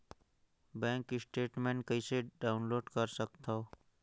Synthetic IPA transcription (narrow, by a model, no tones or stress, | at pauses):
bɛ̃ːŋkɪsʈeːʈmẽɳʈkəiseɖaːʊnloːɖkəɾsək̚t̪ao